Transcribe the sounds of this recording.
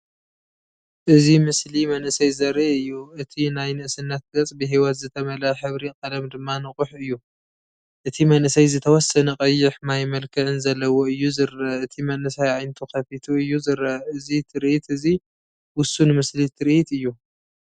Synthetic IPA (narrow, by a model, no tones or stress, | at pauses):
ʔɨzimɨslimɐnʔɨsɐjzɐɾeɨjːuɨt̪ʰinajnɨʔsɨnːɐt̪̚ɡɐt͡sʼbɨɦiwɐt̪zɨt̪ʰɐmɐlɐħɨβɾiqʼɐlɐmd̪ɨmːanɨqʼʊħɨjːu | ʔɨt̪ʰimɐnʔɨsɐjzɨt̪ʰɐwɔsːɐnɐkʼɐjːɪħmajmɐlkʰɨʕɨnzɐlːɐwoɨjːuzɨɾɐɨt̪ʰimɐnʔɨsajʕajnt̪ʰukʰɐfit̪ʰuɨjːuzɨɾɐɨzit̪ʰɨɾʔit̪ɨzi | wʊsunmɨslit̪ʰɨɾʔit̪ɨjːu